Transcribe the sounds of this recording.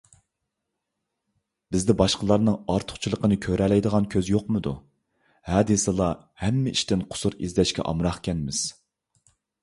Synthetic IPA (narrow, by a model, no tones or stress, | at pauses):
b̥ɪzd̪ɛbɑʃqəlˠɑɾnɨŋɑɾt̪ʰʊ̥χt͡ʃʰilˠəqənɨkʲʰøɾɛlɛjd̪əʁɑnkʲʰøzjoqmɨd̪u | hɑːd̪isɨlˠɑ | hɛmːɪiʃt̪ɪnqʰʊ̥suɾizd̪ɛʃkʲʰɛ̰ʔɑ̰mɾɑχkʲʰɛnmɪz̥